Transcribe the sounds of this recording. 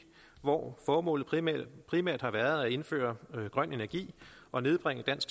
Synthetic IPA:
ʋɒ̰fɒːmɔ̰̽ːlð̩ˠpʰʁimæɐ̰d̥hɑ̈ʋæɐð̞̩ˠæe̝nfø̰ːɐɡ̥ʁɶn̰e̝næɐɡ̥ḭːɒ̽ne̝ð̞ˠb̥ʁeŋ̰əd̥æn̰sɡ̥

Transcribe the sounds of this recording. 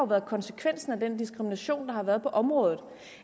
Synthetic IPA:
ʊʋæːɐð̩ˠkʰɒ̽nse̥kʰʋen̰sn̩æd̥end̥isɡ̥ʁiminæɕo̝̰ːnd̥ɑ̈hɑ̈ʋæːɐð̞ˠpʰɒ̽ʔɒ̽mʁɔ̽ːðˠð̩ˠ

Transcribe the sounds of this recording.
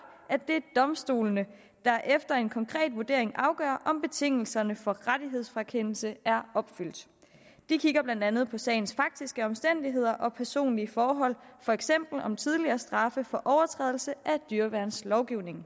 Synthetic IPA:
ʔæd̥e̝æd̥ɒ̽msd̥o̝̰ːlnə | d̥ɑ̈ʔefd̥ɐe̝nkʰɒ̽ŋkʰʁɛ̰ːd̥ʋuɐd̥e̝ɐ̰e̝ŋʔɑ̈ʊɡ̥œ̰ːɐʔɒ̽mb̥e̝t͡sʰe̝ŋ̰l̩sɐnəfɒ̽ʁad̥iɦe̝ð̞̰ˠsfʁɑkʰen̰l̩səæɐɒ̽b̥fyl̰d̥ | d̥ikʰiɡ̥ɐb̥lænd̥ænð̞̩ˠpʰɒ̽sɛ̰ːɪnsfɑ̈ɡ̥̚d̥isɡ̥əɒ̽msd̥en̰d̥iɦe̝ð̞̰ˠɐʔɒ̽pʰæɐso̝̰ːnliəfɒːɦɒ̽l̰fɒ̽eɡ̥sem̰b̥l̩ɒ̽mt͡sʰið̞ˠliɐːsd̥ʁɑ̈fəfɒ̽ʔɒʊɐt͡sʰʁɛ̰ːðˠl̩səʔæd̥yɐʋæɐnslɒʊɡ̥iʊne̝ŋ

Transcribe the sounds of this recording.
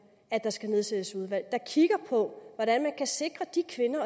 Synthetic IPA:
æd̥ɑ̈sɡ̥æne̝ð̞ˠsed̥əsuð̞ˠʋæl̰d̥ɑ̈kʰiɡ̥ɐpʰɒ̽ʋɒɾænmænkʰæse̝ɡ̥ʁɐd̥ikʰʋe̝nɐ

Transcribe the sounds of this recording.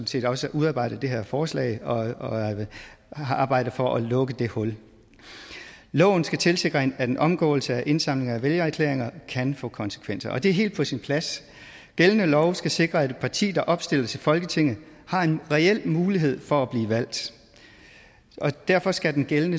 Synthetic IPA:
n̩se̝̰ːd̥ɒ̽səʔuðˠɑ̈ːb̥ɑ̈ɪ̰d̥əd̥e̝ɦeɐfɒːslɛ̰ɪɒ̽ | ɑ̈ːb̥ɑ̈ɪ̰d̥əfɒ̽ʔælɔ̽ɡ̥əd̥e̝hɔ̽l | lɒ̽ʊn̩sɡ̥æt͡sʰe̝lse̝ɡ̥ʁɐhenæd̥enʔɒ̽mɡ̥ɔ̰̽ːl̩səæʔe̝nsɑ̈m̰le̝ŋɐæʋeljɐæɐkʰlḛɐ̰e̝ŋɐkʰænfɔ̰̽ːkʰɒ̽nsə̥kʰʋen̰sɐɒ̽d̥e̝æɐɦe̝ːld̥pʰɒ̽sinpʰlæs | ɡ̥elənəlɒʊsɡ̥æse̝ɡ̥ʁɐæ̥pʰɑ̈t͡sʰḭːd̥ɑ̈ʔɒ̽b̥sd̥e̝l̰ɐt͡sʰe̝lfɒ̽lɡ̥ət͡sʰe̝ŋ̰ð̩ˠhɑ̈e̝nʁɛel̰muːliɦe̝ð̞̰ˠfɒ̽æb̥liːʋæl̰d̥ | ʔɒ̽d̥æɐfɒ̽sɡ̥æd̥enɡ̥elənə

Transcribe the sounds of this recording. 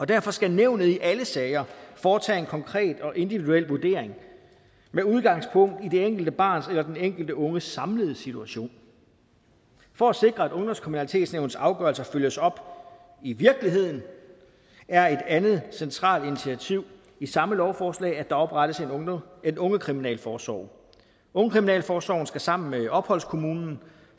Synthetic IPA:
ɒ̽d̥æɐ̰fɒ̽sɡ̥æneʊnð̩ˠiʔæləsɛːɪɐfɒːt͡sʰɛ̰ːenkʰɒ̽ŋkʰʁɛ̰ːd̥ɒ̽ʔe̝nd̥iʋiduel̰ʋuɐd̥e̝̰ːɐe̝ŋ | meuð̞ˠɡ̥ɑ̈ŋ̰spʰɔ̽ŋ̰d̥id̥e̝eŋ̰ɡ̥l̩d̥əb̥ɑ̰̈ːnselɐd̥eneŋ̰ɡ̥l̩d̥əɔ̽ŋəsɑ̈mləð̞̩ˠsit͡sʰuæɕo̝̰ːn | fɒ̽æse̝ɡ̥ʁɐædɔ̽ŋd̥ɒskʰʁimunælit͡sʰe̝̰ːd̥sneʊn̩sɑ̈ʊɡ̥ɶɐlsɐføljəsɒ̽b̥ | iʋiɐɡ̥liɦe̝ð̞̰ˠn̩ | æɐe̝d̥ænð̞̩ˠsent͡sʰʁɑ̰̈ːld̥init͡sʰiæt͡sʰiʊ̰ | isɑ̈məlɒʊfɒːslɛ̰ːɪæd̥ɑ̈ɒ̽b̥ʁɑɾ̥əse̝nenɔ̽ŋəkʰʁiminɛ̰ːlfɒːsʋɒ̰ʊ̰ | ɔ̽ŋəkʰʁiminɛ̰ːlfɒːsɒ̰ʊn̩sɡ̥æsɑ̈m̰n̩meɒ̽b̥hɒ̽l̰skʰo̝muːnn̩

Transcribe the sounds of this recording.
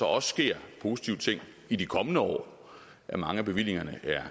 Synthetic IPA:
sɒ̽ɒ̽ssɡ̥e̝ɐ̰pʰo̝ːsi̥t͡sʰiʊ̰ət͡sʰe̝ŋ̰ | id̥ikʰɒ̽mənəɒ̰ː | ʔæmɑ̈ŋəæb̥e̝ʋil̰e̝ŋɐnəʔæɐ

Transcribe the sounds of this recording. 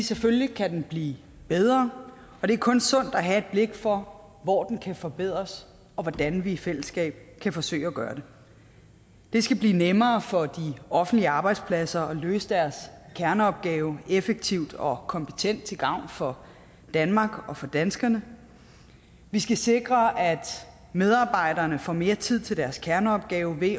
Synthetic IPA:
ʋiseføllikʰæd̥enb̥lḭː | b̥eð̞ˠʁɐː | ɒ̽d̥e̝æɐkʰɔ̽nsɔ̽n̰d̥æɦæe̝d̥̚b̥le̝ɡ̥fɒ̽ | ʋɒ̰ːd̥enkʰæfɒ̽b̥e̝ð̞̰ˠʁɐs | ɒ̽ʋɒd̥ænʋiːfel̰əsɡ̥ɛ̰ːb̥̚kʰæfɒ̽sø̰ɪ̰æɡ̥ɶːɐd̥e̝ | d̥e̝sɡ̥æb̥lḭːnemɐːfɒ̽d̥iɒ̽fn̩d̥liəɑ̈ːb̥ɑ̈ɪd̥spʰlæsɐɒ̽løːsəd̥æɐskʰæɐnəɒ̽b̥̚ɡ̥ɛːʊefeɡ̥̚t͡sʰiʊd̥ɒ̽kʰɒ̽mpʰe̥t͡sʰen̰d̥̚t͡sʰe̝lɡ̥ɑ̈ʊ̰nfɒ̽ | d̥ænmɑ̈ːɡ̥ɒ̽fɒ̽d̥ænsɡ̥ɐnə | ʋisɡ̥æse̝ɡ̥ʁɐʔæd̥ | með̞ˠɑ̈ːb̥ɑ̈ɪ̰d̥ɐːnəfɒ̰ːme̝ːɐt͡sʰið̞̰ˠt͡sʰe̝ld̥æɐskʰæɐnəɒ̽b̥̚ɡ̥ɛːʊʋe̝

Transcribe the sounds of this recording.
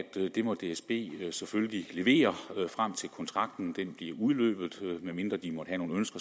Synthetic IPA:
æd̥d̥e̝mɒ̽d̥e̝esb̥e̝̰ːseføllile̝ʋe̝̰ːɐfʁam̰t͡sʰe̝lkʰɒ̽nt͡sʰʁɑ̈ɡ̥d̥n̩d̥enb̥liɐuð̞ˠlø̰ːb̥ð̞̩ˠmeme̝nd̥ʁɐd̥imɒ̽d̥hæno̝ːn̩ønsɡ̥ɐ

